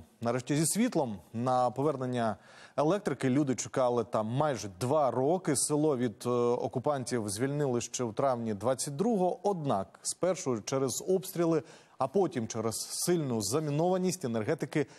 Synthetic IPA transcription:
nɐɾɛʃtʲizʲisʲʋʲit̪lˠɔmnɐpɔʋɛrnenʲːɐ | elˠɛk̚t̪ɾɪkɪlʲud̪ɪt͡ʃʊ̥kɑlˠɪt̪ɑmːɑjʒɛd̪ʋɑrɔkɪsɪlˠɔʋʲid̪ɔ̰kʊpɑnʲtʲiwzʲʋʲilʲnɪlˠɪʃt͡ʃɛwt̪ɾɑwnʲid̪ʋɑt͡sʲːɐt̚ʲd̪ɾuɦɔʔɔd̪nɑkspɛrʃɔjt͡ʃɛɾɛzɔpst̪ɾʲilˠɪ | ɐpɔtʲimt͡ʃɛɾɛzsɪlʲnʊzɐmʲinɔʋɐnʲisʲtʲenerɦɛt̪ɪkɪ

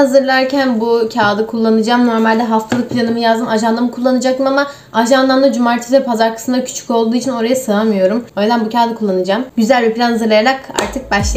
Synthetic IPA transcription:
hazɯɾlˠaɾcænbucʰaːd̪ɯkʰulˠːanɯd͡ʒaːmno̞ɾmalʲd̪ɛɦaft̪ʰalˠɯk̚pʰlʲanɯmɯjazd̪ɯmaʒanlˠamɯkʰulˠːanɯd͡ʒakt̪ɯmama | aʒanlˠand̪ˠad͡ʒumaɾt̪ʰisvɛpʰazaɾkʰḁsɯnd̪acʰy̥t͡ʃʰy̥co̞lˠd̪uːit͡ʃʰino̞ɾajasɯamɯjo̞ɾumøjʲd̪ænbucʰaːd̪ɯkʰulˠːanɯd͡ʒaːmɟyzælʲbiplʲanhazɯɾlˠajaɾaka̰ɾt̪ʰɯk̚baʃlˠa

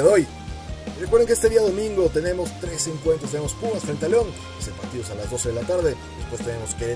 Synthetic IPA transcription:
ðeoj | rekweɾðeŋkeest̪eðiaðo̞mĩŋɡo̞t̪ene̞mo̞st̪ɾe̞seŋkwent̪ɾost̪enemospumast̪aelt̪aleo̞n | eseɾpa̰ɾt̪iðo̞salazðo̞se̞ðe̞lat̪aɾðe̞d̪e̞spwe̞st̪e̞ne̞mo̞skeɾe

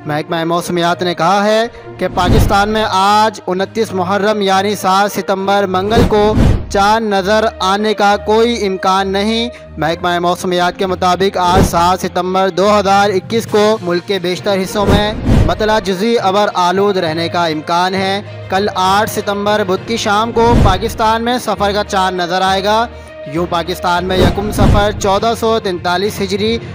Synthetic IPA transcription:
mɛɦkmaːemɔːsəmijaːt̪nekɐɦaɦɛ | kepaːkɪst̪aːnmẽʔaːd͡ʒʊnət̪ːiːsmʊɦəɾːəmjaːnisaːt̪sɪt̪ə̃mbəɾmɐ̃ŋɡəlkot͡ʃaːnːɐzəɾaːnekakoːiɪ̃mkaːnːɐɦĩ | mɛɦkmaːemɔːsəmijaːt̪̚kemʊt̪aːbɪkaːd͡ʒsaːt̪sɪt̪ə̃mbəɾd̪oːɦɐzaːɾɪkːiːskomʊlkːebeːʃt̪əɾɦɪsːõmẽbɐt̪laːd͡ʒʊziɐbəɾaːloːd̪ɾɛɦnekaɪ̃mkaːnɦɛ | kɐlaːʈʰsɪt̪ə̃mbəɾbʊd̪̚kiʃaːmkopaːkɪst̪aːnmẽsɐfəɾkat͡ʃaːnːɐzəɾaːeːɡaː | jũːpaːkɪst̪aːnmẽjɐkʊmsɐfəɾt͡ʃɔːd̪asɔt̪ɪ̃nt̪aːliːsɦɪd͡ʒɾi

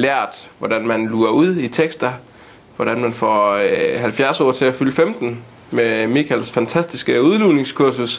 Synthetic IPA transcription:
læɐ̰d̥ʋɒd̥ænmænluɐuð̰ˠit͡sʰeɡ̥sd̥ɐ | ʋɒɾ̥ænmænfɒ̰ːhælfjæɐsɒ̰ːt͡sʰe̝æfyləfemd̥n̩ | memikʰælsfænt͡sʰæsd̥isɡ̥əuðˠline̝ŋskʰuɐsus

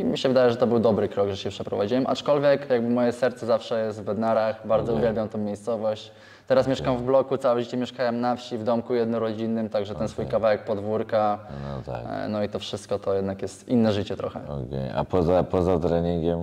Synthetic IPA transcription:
mʲiɕɛvɘd̪ajɛʐɛt̪ɔbɘwd̪ɔbɾɘkɾɔɡʐɛʂjɛpʂɛpɾɔ̰vad͡ʑiwɛmʔa̰t͡ʂkɔlvʲjɛkjaɡ̚bɘmɔjɛsɛɾt̪sɛzafʂɛjɛst̪vbɛd̪naɾaxbaɾd̪zɔuvʲjɛlbʲjamt̪ɔ̃w̃mʲejst̪sɔvɔɕt͡ɕ | t̪ɛɾasmʲjeʂkamvblɔkut̪sawɛʐɘt͡ɕɛmʲjɛʂkajɛmnafɕivd̪ɔmkujɛd̪nɔɾɔd͡ʑinːɘmt̪aɡʐɛt̪ɛnsfujkavawɛk̚pɔd̪vuɾkant̪a̰nɔit̪ɔfʂɘst̪̚kɔt̪ɔjɛd̪nakjɛst̪inːɛʐɘt͡ɕɛt̪ɾɔ̰xɛ̰ɔ̰kʲḛja̰pɔzapɔzat̪ɾɛɲiŋɡʲɛm

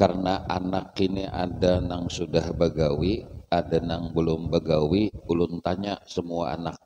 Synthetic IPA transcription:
kaɾənaʔanakiniʔadanaŋsudahbəɡawiadanaŋbəlʊmbəɡawiulʊnt̪aɲasəmuaa̰nak̚

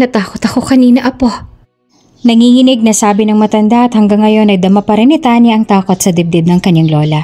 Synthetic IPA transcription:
ɐt̪aːkot̪ɐko̞kɐniːnɐʔɐpo̞ | nɐŋihɪnɪɡ̚nɐsaːbɪnɐŋmɐt̪ɐnd̪aʔɐt̪hɐŋɡɐŋːɐjo̞nɐjd̪ɐmapɐɾɪnɪt̪aːniʔɐŋt̪aːko̞t̪̚sɐd̪ɪb̚d̪ɛb̚nɐŋkɐɲːaŋlo̞ːlɐ

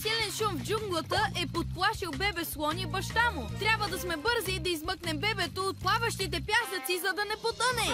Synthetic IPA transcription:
silɛnʃumvd͡ʒuŋɡlˠət̪əʔɛpot̪̚plˠaʃilˠbɛbɛslˠɔnibɐʃt̪amʊt̪ɾʲabvəd̪ɐsmɛbɤɾzid̪ɐizmɤknɛmbɛbɛt̪oot̪̚plˠavəʃt̪it̪ɛpjasət̪sizɐd̪ɐnɛpot̪ənɛ

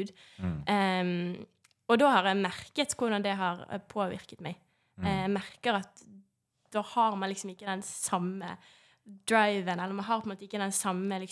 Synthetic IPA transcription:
ʉːd̪ | ɔd̪oːhɑʁjæɪmæɾkət̪kʰʊʁd̪ɑnd̪ɛɦɑɾpʰoːʋɪ̰ɾkə̥t̪mæɪ | ɛmæʁkəɾɑt̪ | d̪̥oːhɑɾmɑnlɪksɔmɪkːəd̪ɛnsɑmə̰ | d̪ɾaɪʋənɛlːəɾmɑnɦɑɾpʰɔnmoːt̪əɪkːəd̪ɛnsɑmːəlɪk

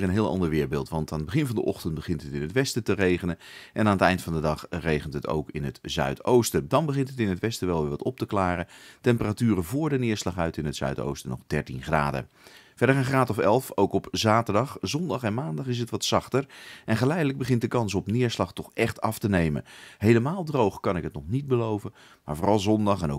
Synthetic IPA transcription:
ənɦɪːlˠʔɑ̰ndəɹʋɪːɹbɪːlˠtʋɑntaːnədbəχɪnvɑndəʔɔ̰χtəntbəχɪntɦətɪnətʋɛstətərejχənəʔɛnaːnətɛjntfɑndədɑχrejχəntɦəto̰wkɪnɦətzœ̰ɥtowstədɑnbəχɪntətɪnətʋɛstəʋɛlˠʋɪːɹʋɑtɔp̚təklaːrətɛmpəratyːrəvʊːɹdənɪːɹslɑχœɥtɪnətsœ̰ɥto̰wstənɔ̰χdɛɹtinχra̰ːdə̰ | vɛɹdərəχraːtɔfɛ̰lˠfowkɔpzaːtəɹdɑχzɔndɑχɛnmaːndɑχɪs̬ɦətʋɑtsɑχtəɹɛnχəlɛjdələɡ̚bəχɪntdəkɑns̬ɔpnɪːɹslɑχtɔχɛχtɑftənejmə̰nɦejləmaːlˠdrowχkɑnɪkɦətnɔχnit̚bəlowvən | maːɹvoːrɑlˠzɔndɑχɛno

